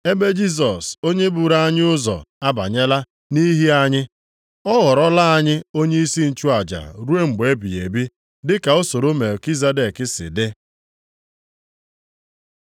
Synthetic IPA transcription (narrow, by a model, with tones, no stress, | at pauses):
e˦be˦d͡ʒi˦s̬ɔ˨so˦ɲe˦bu˨ɾa˦a˦ɲɪ˦ʊ˦zɔ̰˨a˦ba̰˨ɲe˦la˦ | ni˦ɦi˦a˦ɲɪ˦ | ɔ˦ɣɔ˨ɾɔ˦la˦a˦ɲɪ˦o˦ɲe˦i˦si˦n̩˨t͡ʃu˦a˨d͡ʒa̰˨ɾu˦e˦ŋ͡m̩˨ɡ͡be˨˦bi˨jḛ˨bi˦ | dɪ˦ka˨o˦so˨ɾo˦me˨ki˦za˦de˨kɪ˦sɪ̰˨dɪ˦